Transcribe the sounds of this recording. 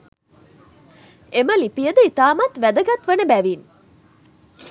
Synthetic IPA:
eməlipijəd̪əit̪aːmat̪ʋæd̪əɡat̪ʋənəbæʋiːn

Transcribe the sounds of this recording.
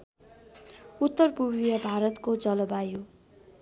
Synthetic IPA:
ut̪ːʌrpubijʌbʱaɾʌt̪kod͡zʌlʌbajo

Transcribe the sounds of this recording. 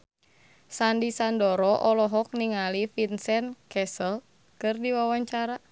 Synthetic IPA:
sandisandɔɾɔʔɔlɔɦɔk̚niŋalifinsɛnkɛsəl | kɨrdiwawaɲt͡ʃaɾa

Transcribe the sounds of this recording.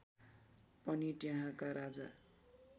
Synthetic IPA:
pʌniʈjaɦãkaɾad͡za̰

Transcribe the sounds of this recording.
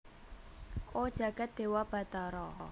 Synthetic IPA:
ʔod̥ʒ̥ä̤ɡ̥a̤t̪̚d̪̥e̤wab̥ä̤t̪ɔɾɔ

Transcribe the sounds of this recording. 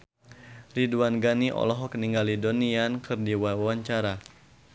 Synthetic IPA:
riduanɡaniʔɔ̰lɔɦɔkniŋɡalidoniankʰɨrdiwawaɲt͡ʃaɾa

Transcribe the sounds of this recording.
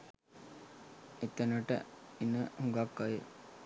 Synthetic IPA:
it̪ənəʈə̰inəhuŋɡakːaje

